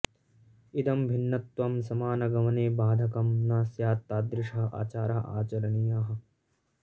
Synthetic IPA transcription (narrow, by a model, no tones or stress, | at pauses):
id̪ɐmbʱinːɐt̪ʋɐmsɐmaːnɐɡɐmɐneːbaːd̪ʱɐkɐmnaːsjaːt̪ːaːd̪ɾɪʂɐɦɐʔa̰ːt͡ʃaːɾɐɦɐʔa̰ːt͡ʃɐɾɐɳijaːɦɐ̆